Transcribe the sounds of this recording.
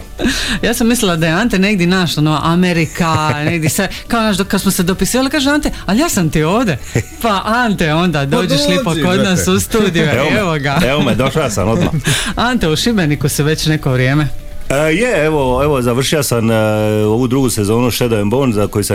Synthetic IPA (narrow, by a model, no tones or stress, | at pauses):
jaːsamːislilad̪ajeant̪ene̞ɡd̪jenaʃlanoʋaʔameɾikane̞ɡd̪jesekaonaːʃd̪kad̪smosed̪opisiːʋalikaːʒeant̪ealijaːsamt̪io̞ːʋd̪epaʔant̪eo̞nd̪ad̪oːd͡ʑeʃlipokod̪naːssust̪uːd̪ijueʋoɡaeomed̪oʃajasa̰nod̪ma̰ant̪euʃibenikusiʋe̞t͡ɕne̞koʋɾje̞ːme | jeeʋoeʋozaʋr̩ʃiosamoʋud̪ɾuɡusezoːnuʃed̪oemboːnzakojusa